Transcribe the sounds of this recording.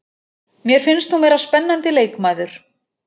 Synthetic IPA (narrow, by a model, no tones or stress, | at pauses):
mjɛɾ̥fɪnst̪θumeːjɾaspɛnːant̪ɪleːjkmaːðʏɾ̥